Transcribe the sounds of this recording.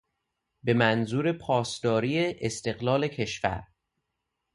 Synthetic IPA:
be̞mænzuːɾe̞pʰɒːsd̪̥ɒːɾiːeʔːst̪e̞ɣlɒːle̞cʰe̞ʃfæ̰ɾ

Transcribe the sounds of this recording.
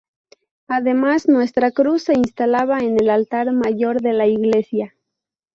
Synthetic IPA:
aðe̞maznwe̞st̪ɾakɾusːe̞inst̪alaβaene̞lalt̪aɾmaʝo̞ɾðe̞laiɣle̞sja

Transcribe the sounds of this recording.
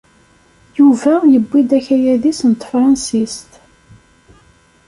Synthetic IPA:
juvæjəbːid̪æçæjæðisnt̪ˤːfɾˤɑnsist̪

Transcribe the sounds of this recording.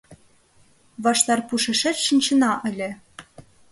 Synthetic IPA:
βɑʃt̪ɑrpuʃɘ̆ʃɘ̆t͡ɕʃɤ̆nt͡ɕɤ̆nɑʔɘ̆lʲɘ̆

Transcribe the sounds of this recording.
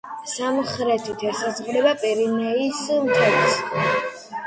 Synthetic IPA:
samχɾɛt̪ʰit̪ʰɛsazʁlɛbapʼiɾinɛismt̪ʰɛɾs

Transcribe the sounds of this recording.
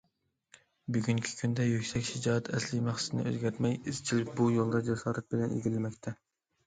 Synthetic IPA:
byɡʲyŋkʲʰi̥kʲʰynd̪ɛjøkʲsɛkʲʃɪd͡ʒɑːt̪ʰɛslɪmæχsɪ̥t̪ʰɪnɪ̰ø̰zɡʲɛɾt̪mɛjiz̥t͡ʃʰilɪkʲbujolˠd̪ɑd͡ʒɛsɑːɾɛt̪̚bɪlɛnḭɡʲilːɪmɛkʲt̪ʰɛ

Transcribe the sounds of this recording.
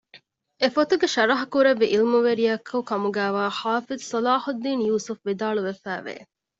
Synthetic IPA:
efot̪uɡeʃɐɾɐɦɐkuɾeʋːiʔilmuʋeɾijɐkʰːɐukɐmuɡæːʋaːħaːfizsɐlaːhud̪ːiːnjuːsufʋid̪aːɭuʋefæ̰ːʋḛː

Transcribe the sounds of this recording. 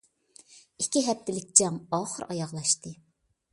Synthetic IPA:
ikʲiɦɛp̚t̪ɪlɪk̚ʲd͡ʒɛmɑːχəɾɑjɑʁlˠɑʃt̪ɨ

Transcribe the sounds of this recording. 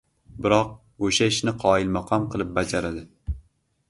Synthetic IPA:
bɪɾɒq̚ | oʃaɪʃnɪqʰɒɪlmɑqʰɒmqʰɨlˠɪp̚bad͡ʒaɾad̪ɪ

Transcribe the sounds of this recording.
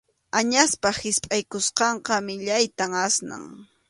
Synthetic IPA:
aɲaspahɪspʼajkʊsqɑɴqɑmɪʎajt̪aŋasna̰ŋ

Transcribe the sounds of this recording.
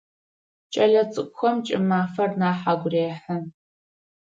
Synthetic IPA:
t͡ʃʼɐɮɐt͡sʼɨkʷʊxɐmt͡ʃʼɪmaːfɐrnaːħaɡʷreːħɐn

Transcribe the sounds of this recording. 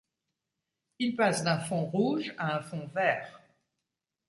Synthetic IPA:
ilpasd̪ɛ̃fɔ̃ʁuʒaɛ̃fɔ̃vɛːʁ

